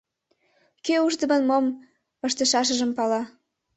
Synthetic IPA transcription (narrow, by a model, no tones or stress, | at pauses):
keuʒd̪ə̆mə̆nmom | ə̆ʃt̪ə̆ʃɑʃ̬ə̆ʒə̆mpɑlɑ